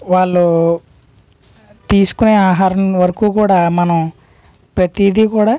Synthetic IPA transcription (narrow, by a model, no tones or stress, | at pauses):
ʋaːɭːu | t̪iːsu̥kuneːaːɦaːɾɐmʋɐɾɐkuːkuːɽaːmɐnɐm | pɾɐt̪id̪ʱikuːɽaː